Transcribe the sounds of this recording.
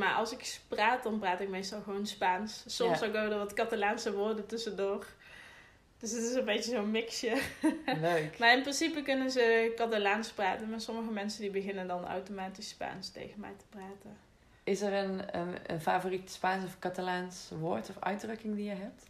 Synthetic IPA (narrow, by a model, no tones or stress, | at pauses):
ma̰ːɹʔɑ̰lˠsɪkpraːt̚dɑnpraːtɪk̚mejstɑlˠɣəʋownspaːnssɔmsokowdəɹʋɑtkɑtalaːnsəʋʊːrdətɵsəndʊːr | d̥ɵsətɪsənbejtəzonmɪksjəløkmaɪnprɪnsipəkʏnənzəkɑtalaːnspraːtənmaːsɔməɣəmɛnsəndibəɣɪnəndɑna̰wtomaːtispa̰ːnstḛjɣənmɛ̰jtə̥praːtən | ɪsɛrənəə̰favoritspaːnsɔfkɑtalaːnsʋoːɹtɔfœ̰ɥdrɵkɪŋdijəɦɛp̚t